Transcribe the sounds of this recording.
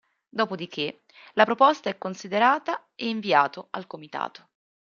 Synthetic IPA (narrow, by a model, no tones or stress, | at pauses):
d̪ɔːpod̪ik̟e | lapɾopost̪aɛkːonsid̪eɾaːt̪a | eiɱviaːt̪oalkomit̪a̰ːt̪o̥